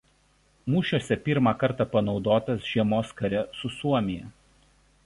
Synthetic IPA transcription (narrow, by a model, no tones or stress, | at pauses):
muːʃʲuɔsʲɛpʲiˑɾmɑkɐɾt̪ɑpɐnɒʊd̪oːt̪ɐsʒ̥ʲiɛmoːskɐɾʲɛsʊsuɔmʲɪjɛ